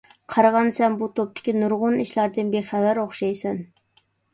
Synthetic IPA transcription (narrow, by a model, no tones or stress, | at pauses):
qʰɑɾɑʁɑnsɛnbut̪ʰop̚t̪ʰɪ̥kʲinʊɾʁʊniʃlæɾd̪ɪnbeχævæɾoχʃɑjsɛn